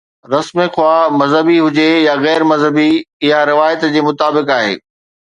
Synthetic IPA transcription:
ɾɐsmexʊwaːmɐzɦəbiɦʊd͡ʑejaɣɛːɾmɐzɦəbiɪɦaɾɪʋaːjət̪d͡ʑeːmʊt̪aːbɪkaːɦḛː

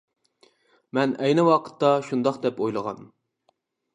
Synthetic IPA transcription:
mɛnɛjnɨwɑqʰə̥t̪ːɑʃund̪ɑqd̪ɛpojlˠəʁɑ̰n

